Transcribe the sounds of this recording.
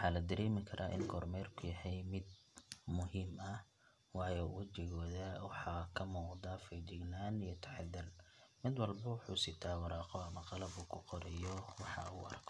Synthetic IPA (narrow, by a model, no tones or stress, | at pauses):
wʊħɑːlɐd̪ɐɾɛːmɪkʰɐɾʔa̰ːʔɪ̰nɡʰɔːrmɛːrkʰʊjɐhɛjmɪd̪̚ | mʊɦiːmɐ | wɑːjɔwɐt͡ʃɪɣɔːðɐwɑħɑkʰɐmuːqd̪afɛt͡ʃɪɡnaːnijɔt̪ʰɐ̥ħd̪ɐlmɪd̪wɑlbɐwɑħuːsɪt̪ʰaːwɑɾɑːqɔɐmɐqɑlɐbuːkʰʊqɔɾɛjɔwɑħɑ̰uːɐ̰rkʰɔ